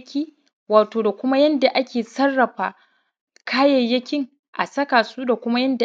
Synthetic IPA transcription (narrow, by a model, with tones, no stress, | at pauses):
kʲiː˦ | waː˨toː˨da˨kʷʊ˦ma˦jɐ˦nda˨ʔa˦kʲeː˨sɐ˦rːɐ˨ɸaː˨ | kʰaː˦jɐ˨jːɐ˦kʲɪ˦ŋ | ʔa̰˨sɐ˦kaː˨suː˦da˨kʷʊ˦ma˦jɐ˦nda˨